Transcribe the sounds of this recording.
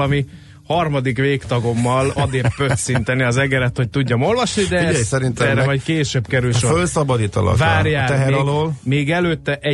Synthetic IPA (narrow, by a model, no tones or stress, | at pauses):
ɒmi | hɒrmɒd̪ikʋeːkt̪ɒɡo̞mːɒlɒd̪eːpø̞t̪sint̪ɛniɒzɛɡɛɾɛt̪ho̞c̚t̪uɟːɒmo̞lvɒʃnid̪ɛɛjsɛɾinɛːɾɛmɒjkeːʃøbkɛɾylʃofølsɒbɒd̪iːt̪ɒ̰lɒ̰kvaːrjjaːt̪ɛɦɛɾɒloːlmeːɡɛløːt̪ːɛʔɛ